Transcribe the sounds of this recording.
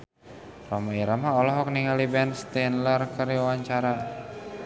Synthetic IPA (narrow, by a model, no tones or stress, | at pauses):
rɔmaiɾamaɔlɔɦɔk̚niŋalibɛnst̪ɛnlərkəɾiwawaɲt͡ʃaɾa